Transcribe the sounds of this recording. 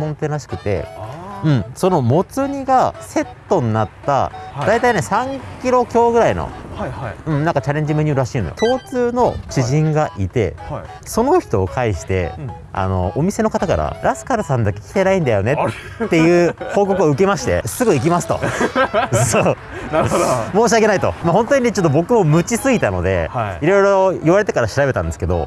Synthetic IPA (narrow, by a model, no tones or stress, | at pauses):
mõ̞nt̪e̞ɾaɕi̥kɯ̟t̪e̞̰ɯ̟̃ɴso̞no̞mo̞t͡sɨɲ̟iɡase̞t̪ːo̞ɲ̟inat̪ːa̰d̪ait̪aine̞sãŋkʲiɾo̞kʲo̞ːɡɯ̟ɾaino̞̰ | ɯ̟̃ɴnãŋkat͡ɕaɾẽ̞ɲ̟d͡ʑimeɲ̟ɨːɾɾaɕiːno̰jo̰t̪o̞ːt͡sɨːno̞t͡ɕiʑĩŋɡaʔit̪e̞̰ | so̞no̞çi̥t̪o̞ːkʰaiɕi̥t̪e̞̰ | a̰no̞̰ʔomʲise̞no̞kat̪akaɾa̰ɾasɨ̥kaɾɯ̟sãnd̪akːe̞̥kʲi̥t̪e̞naĩnd̪ajo̞ne̞ː | e̞jɯ̟ːhoːko̞kɯoɯ̟ke̞maɕi̥t̪e̞̰sɨɡɯik̬ʲimasɨ̥t̪o̞̰ | so | namoːɕ̬iakenait̪o̞̰mahõ̞nt̪o̞ɲ̟inet͡ɕot̪ːobo̞kɯ̟mo̞mɯ̟t͡ɕisɨɡit̪ano̞̰d̪e̞̰iɾo̞jɾooiβaɾe̞t̪̬e̞kaɾaɕiɾabe̞t̪ãnd̪e̞sɨ̥ke̞d̪o̞̰